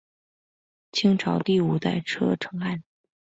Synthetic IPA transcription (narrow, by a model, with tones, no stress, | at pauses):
t͡ɕʰi˥ŋʈ͡ʂʰɑ˧˥ʊt̪i˥˩u˨˩t̪a˥˩ɪʈ͡ʂʰɤ˥ʈ͡ʂʰɤ˧˥ŋa˥˩n